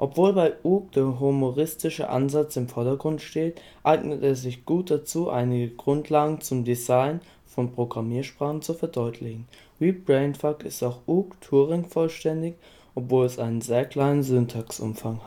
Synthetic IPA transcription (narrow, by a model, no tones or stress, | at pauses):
ʔɔpv̥oːlbaɪʔuːk̚d̥eːɐɦumoʁɪstɪʃə̰ʔa̰nzat͡sɪmfɔɐdɐɡʁʊntʃteːt | ʔaɪɡnəteːɐzɪçɡ̥uːt̚d̥at͡suːʔa̰ɪnɪɡəɡʁʊntʰlaːɡŋ̩t͡sʊmdizaɪn | fɔnpʁ̥oɡʁamiːɐʃpʁ̥aːχn̩t͡sufɛɐdɔʏtʰlɪçn̩ | viːb̥ʁɛɪnfakɪstaʊxʔuːktʰuːʁɪŋfɔlʃtɛndɪç | ʔɔpv̥oːlɛsʔaɪnənzeːɐkl̥aɪnənzøntʰaksʔʊ̰mfaŋ